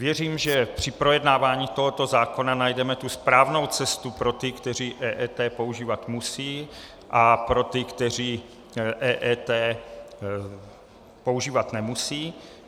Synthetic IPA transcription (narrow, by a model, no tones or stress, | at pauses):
vjɛriːmʒɛpr̝̥ɪpɾo̞jɛdnaːvaːɲiːt̪o̞ɦo̞t̪o̞zaːko̞nanajdɛmɛt̪uspɾaːvno̞wt͡sɛst̪upɾo̞t̪ɪkt̪ɛr̝iːʔɛːʔɛːt̪ɛːpo̞uʒiːvat̪musiː | ʔapɾo̞t̪ɪkt̪ɛr̝iː | ʔɛːʔɛːt̪ɛː | po̞uʒiːvat̪nɛmusiː